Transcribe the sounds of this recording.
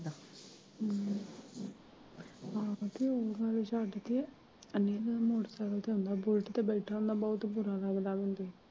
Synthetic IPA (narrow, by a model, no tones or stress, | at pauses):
d̪a | ãt̪eːoːɡəlʃaːʈt̪e | əneːkmoːʈsaːɾoːt̪eõnd̪aːbʊlʈt̪eːbɛːʈʰaːʊ̃nd̪aːbɔːt̪bʊɾaːlaɡd̪aːbə̃nd̪iː